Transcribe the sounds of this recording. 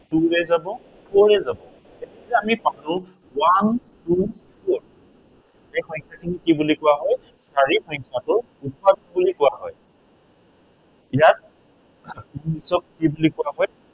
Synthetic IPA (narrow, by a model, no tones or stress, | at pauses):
duɹɛzabɔ | pʰɔɹɛzabɔ̃ | etɛkitɛamipanʊ̃ | wan | tupʰɔɹ | ejxɔjŋkʰakʰinikibulikʊwaɦɔj | saɹixɔɲkʰjatʊ | upadɔbulikʊwaɦɔj | ijat̚ | ɔnisɔk̚kibulikʊwaɦɔj